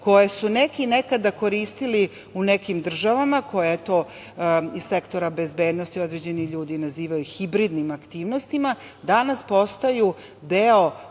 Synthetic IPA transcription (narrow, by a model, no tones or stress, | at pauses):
ko̞jesunekinekad̪ako̞ɾiːst̪ili | unekimd̪r̩ʒaʋamakʰo̞jet̪o | issekt̪o̞ɾabe̞zbe̞ːd̪no̞st̪io̞d̪ɾe̞d͡ʑe̞niʎuːd̪inaziːʋajuxibɾid̪nimakt̪iːʋnost̪ima | d̪anaspo̞st̪aju | d̪eo̞